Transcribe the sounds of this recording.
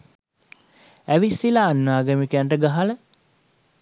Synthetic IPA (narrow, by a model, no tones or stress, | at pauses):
æʋisːilaːnːaːɡəmikæɳʈəɡaɦalə